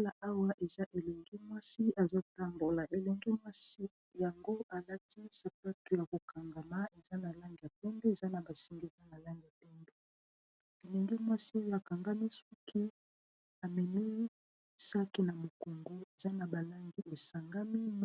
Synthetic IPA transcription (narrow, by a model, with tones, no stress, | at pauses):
la˨ʔa˦wa˦ʔe˨za˦ʔe˨lɛ˨ŋɡi˦mwa˦si˦ʔa˨zo˦ta˦mbo˨la˨ʔe˨lɛ˨ŋɡi˦mwa˦si˦ | ja˨ŋɡo˦ʔa˨la˦ti˦sa˨pa˦to˨ja˨ko˨ka˨ŋɡa˨ma˦e˨za˦na˨la˦ŋɡi˨ja˨pɛ˦mbe˦e˨za˦na˨ba˨si˨ŋɡe˦ka˦na˨la˦ŋɡa˨pɛ˦mbe˦ | e˨lɛ˨ŋɡi˦mwa˦si˦a˨ka˨ŋɡa˦mi˦su˦ki˦ | a˨mɛ˨ni˦ | sa˦ki˦na˨mo˨ko˨ŋɡo˦e˨za˦na˨ba˨la˦ŋɡi˦ʔe˨sa˨ŋɡa˦mi˦m